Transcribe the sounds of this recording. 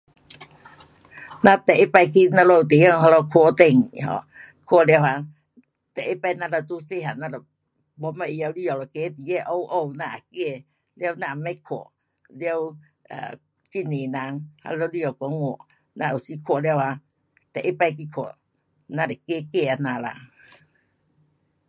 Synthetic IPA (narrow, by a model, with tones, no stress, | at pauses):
na˧t̪ɛ˨ʔe˦pa˧jkʰi˧na˧lɔ˧˨u˨t̪e˨˦jə˧˨ŋɦa˧la˧kʰo˧˨t̪e˧˩ŋɦɔ̰˧˨ | kʰo˧˨lɛ˧˨wha˧ | t̪ɛ˨ʔe˦pa˧jna˧˨la˧˩tu˧˦se˧˨ɦa˨na˧la˨ | bɔ˧˦ma˧˨ʔja˧wli˧˨jɔ˨lɔ˨ke˧˦t̪i˨jɛ˧˨ʔo˧˨wʔo˧˨wna˧ʔa˨ke˧˨ | lɛ˧˦˨wna˧˨ma˧˦jkʰo˨ | lɛ˧w | a̰ː˨ | t͡ɕi˧˨ne˨na˧˦ŋha̰˧lwli˧ɔ˨wkɔ˧˦ŋo˧˩˨ | na˧˨ʔo˨si˧˦kʰo˧˨lɛ˧˨wha˧ | t̪ɛ˨ʔe˦pa˧jki˧kʰo˨ | na˧˨da˨ke˧˦˨ke˧˨a˧˨na˧˨la̰˧˨